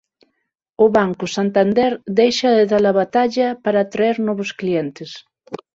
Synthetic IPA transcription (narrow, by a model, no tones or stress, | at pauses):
ʊβaŋkʊsant̪and̪ɛɾd̪ejʃɐðeðalaβat̪aʎɐpaɾat̪ɾaeɾnɔβosklient̪es